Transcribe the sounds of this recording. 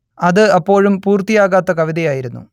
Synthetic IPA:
ɐðɨɐpːo̞ːɻumpuːrt̪ijaːɣaːt̪ːɐkɐʋiðɐjaːjiɾunːṵ

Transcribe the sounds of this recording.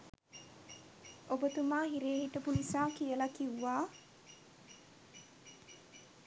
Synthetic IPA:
obət̪umaːɦiɾeːɦiʈəpunisaːkijəlakiwːaː

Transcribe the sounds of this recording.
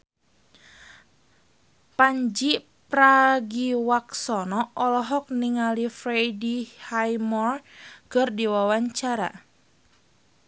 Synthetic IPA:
paɲd͡ʒi | pɾaɡiwaksɔnɔɔlɔɦɔk̚niŋalifɾejdihajmɔrkərdiwawaɲt͡ʃaɾa̰

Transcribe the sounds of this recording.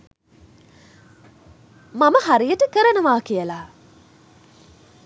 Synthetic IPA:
maməhaɾijəʈəkəɾənəʋaːkijəla

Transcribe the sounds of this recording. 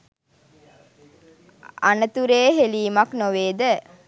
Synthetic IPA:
a̰nət̪uɾeːɦeliːmaknoʋeːd̪ə

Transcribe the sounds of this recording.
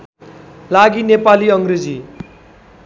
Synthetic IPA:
laɡinepaliʌŋɡred͡zi

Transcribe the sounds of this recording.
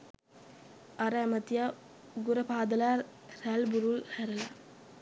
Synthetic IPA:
aɾəæmət̪ija | ɡuɾəpaːd̪əlaː | ɾælbuɾulhæɾəla

